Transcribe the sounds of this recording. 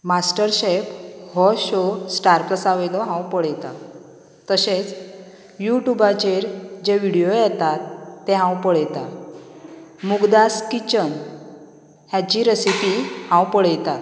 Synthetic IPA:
masʈəɾɕephɔɕosʈaɾpləsaʋəjd̪ɔɦãwpəɽjt̪a | t̪əset͡s | juʈjubat͡ɕeɾd͡ʑeʋiɽijojɛt̪at̪ːeɦãwpəɭjt̪a | muɡd̪askit͡ɕən | hjat͡ɕiɾəsipihãwpəɽəjt̪at̪

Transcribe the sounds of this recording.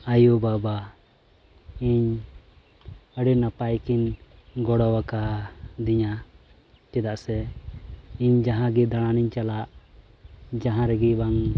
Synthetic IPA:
ajubaba | iɲ | əɽinapajkinɡɔɽɔwakad̪iɲa | t͡ʃɛd̪aʔsɛ | iɲd͡ʒaɦãɡɛd̪aɽ̃aniɲt͡ʃalaʔ | d͡ʒaɦãɾɛɡibaŋ

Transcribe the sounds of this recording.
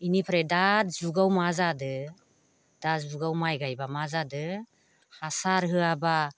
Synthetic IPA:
inipʰɾedatzuɡawmazadɯ | d̥azuɡawmajɡajbamazadɯ | hasaɾɦɯaba

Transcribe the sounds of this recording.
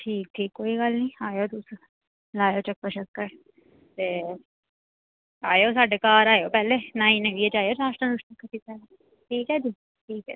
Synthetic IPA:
ʈʰiːk̚ʈ̪ʰiːkːoːiɡɐlnĩːaːjoːt̪us | laːjoːt͡ʃɐk̚pəʃəkːə | t̪eː | aːjoːs̬aːɖekaːɾaːjoːpɛːlenaːĩneʋiet͡ʃaːjoːɾaːʂʈɾəɾʊʂnəkːəʈʰiːkaːj | ʈʰiːkɛːd͡ʒiː | ʈʰiːkɛ̰i

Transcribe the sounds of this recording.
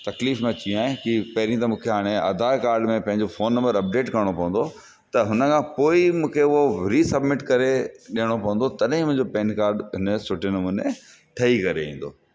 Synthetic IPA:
t̪ɐkliːfmẽt͡ɕĩaːɦẽkipɐɦɪɾĩt̪ɐmũːkʰeɦaːɽ̃eɐ̰d̪ʱaːkaːɾɖmẽpɐ̃ɦɪ̃ɲd͡ʑofoːnːɐ̃mbəɾɐp̚ɖeːʈkɐɾɽ̃opɐ̃ʋə̃n̆d̪o | t̪ɐɦʊnə̆kʰãpoːimũːkʰeʊɦoɾiːsɐbmɪʈkɐɾeɗijəɽ̃opɐʋə̃nd̪ot̪ɐɗɦĩmʊ̃ɪ̃ɲd͡ʑopeːnkaːɾɖɦɪnəsʊʈɪnmʊnẽ | ʈʰɐikɐɾḛḭ̃ːn̆d̪o̰ː

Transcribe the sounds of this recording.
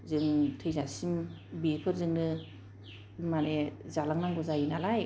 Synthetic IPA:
zɯŋtʰɯjzasim | bipʰɯɾzɯŋnɯ | maɾezalaŋnaŋɡɔzajinalaj

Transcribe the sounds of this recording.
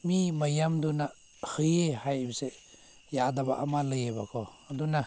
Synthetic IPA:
mimajamduna | hɯjehajbse | jadabaʔamalɯjebakʰɔ | duna

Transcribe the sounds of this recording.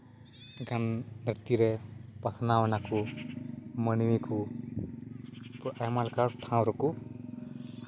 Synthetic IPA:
ɡannit̪iɾepʌsnawnako | mʌniwiku | pemalkaɾʈʰãwɾuko

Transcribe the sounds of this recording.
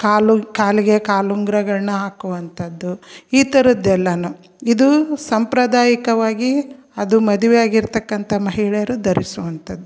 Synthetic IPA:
kaːlukaːliɡekaːluŋɡɾɐɡɐɭnɐɦaːkuʋɐnt̪ʰɐd̪ːuiːt̪ɐɾɐd̪ɛlːɐnu | id̪usɐmpɾɐd̪aːjikɐʋaːɡi | ɐd̪umɐd̪uʋɛjaːɡiɾt̪ɐkːɐnt̪ʰɐmɐɦiɭɛjɐɾud̪ɐɾisuʋɐnt̪ʰɐd̪ːu

